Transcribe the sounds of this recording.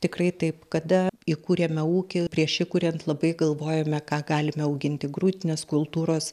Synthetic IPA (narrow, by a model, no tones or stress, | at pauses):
t̪ʲɪkrɐɪt̪ɐɪpkɐd̪ɐikuːɾʲeːmʲɛuːkʲɪpʲɾʲiɛʃɪkuːɾʲɛnt̪lˠɐbɐɪɡɐlˠʋoːjɛmʲɛkɑːɡɑːlʲɪmʲɛɐʊɡʲɪnʲt̪ʲɪɡruːt̪ʲɪnʲeːskʊlˠt̪uːɾoːs